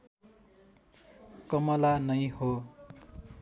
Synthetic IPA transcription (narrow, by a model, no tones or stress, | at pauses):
kʌmʌlanʌj̃ho